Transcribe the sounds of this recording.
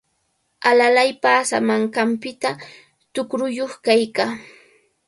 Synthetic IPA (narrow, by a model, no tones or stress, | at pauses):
alalajpasa̰maŋkampɪt̪a | t̪ʊkɾʊjoχkajkaː